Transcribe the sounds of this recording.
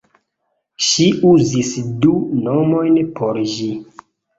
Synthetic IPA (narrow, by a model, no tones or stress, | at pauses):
ʃiʔuzisdunomojnpoɾʒi